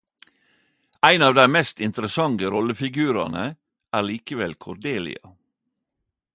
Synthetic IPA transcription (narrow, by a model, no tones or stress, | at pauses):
æɪnɑːʋd̪æɪmɛst̪ɪnt̪əɾəsɑŋəɾɔləfɪɡʉːɾɑ̰nə | ʔæːɾɭiːkəʋɛlkʰɔɾd̪eːlɪ̰ɑ